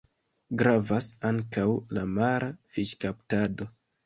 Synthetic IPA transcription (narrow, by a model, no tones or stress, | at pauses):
ɡɾavasaŋkawlamaɾafiʃkaptado̞